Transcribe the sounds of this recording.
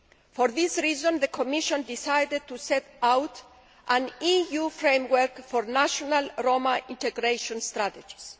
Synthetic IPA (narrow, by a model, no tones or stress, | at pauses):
fɔɾðisɹizɔ̃nðəkʰɔmiʃɔ̃nd̪isajdɪd̪̚t̪usɛtawt | ʔãnijufɹẽmwəɾkfɔɾnaʃɔnalɹomaʔĩntɛɡɾeʃɔ̃nst̪ɾat̪ed͡ʒi̥s